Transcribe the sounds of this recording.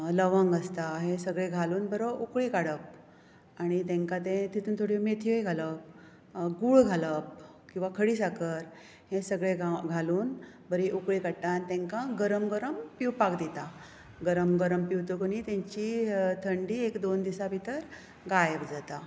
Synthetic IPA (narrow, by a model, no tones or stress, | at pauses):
ləʋəŋɡəst̪aɦẽsəɡɭẽɡʱaluːnbəɾəukɭikaɽəp̚ | aɽ̃it̪ẽŋkãt̪̬ẽt̪it̪ʰuːnt̪ʰoɽimet̪ʰiəjɡʱaləp̚ | ɡuːɭɡʱaləp̚ | kĩw̃ʋakʰəɽiːsakəɾ | hẽsəɡɭeɡaɡʱaluːn | bəɾiʔukɭikaɽt̪ant̪ẽŋkãɡəɾəmɡəɾəmpiwpakd̪it̪a | ɡəɾəmɡəɾəmpiwt̪əkonit̪ẽɲt͡ɕit̪ʰəɳɖiːekd̪ond̪isabʱit̪əɾ | ɡajəbd͡zat̪a